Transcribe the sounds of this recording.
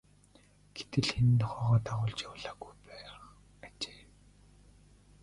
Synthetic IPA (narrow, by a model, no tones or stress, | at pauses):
ɡ̥et̪ɘ̆ɮxen̆nt̪ɔχɔœːʁɔːt̪aʁʊːɮt͡ɕjawɮaːɡujpæː | at͡ɕe̥ː